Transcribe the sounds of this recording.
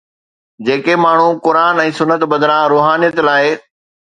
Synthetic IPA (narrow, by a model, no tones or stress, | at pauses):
d͡ʑeːkemaːɳ̤ukʊɾaːnɛ̃ːsʊnːət̪bɐd̪ɾãɾoːɦaːnijət̪laːɪ